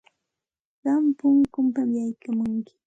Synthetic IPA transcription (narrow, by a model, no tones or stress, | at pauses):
ɢɑmpʊŋkʊmpamjajkamʊŋkɪ̥